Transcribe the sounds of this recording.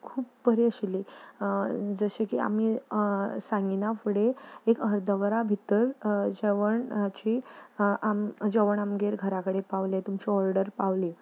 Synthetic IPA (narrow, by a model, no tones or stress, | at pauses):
kʰuːpbəɾiəɕli | d͡zəɕekḭa̰mi | sãŋɡinafuɽeekəɾd̪ʱəʋɾabʱit̪ːəɾd͡ʑeʋəɳt͡ɕiːʔamd͡ʑeʋəɳamɡeɾɡʱəɾakəɽepaʋlet̪umt͡ɕiɔɾɖəɾpaʋli